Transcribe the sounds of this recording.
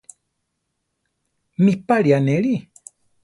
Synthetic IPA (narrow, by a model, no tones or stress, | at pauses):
mĩpaɾianẽɾi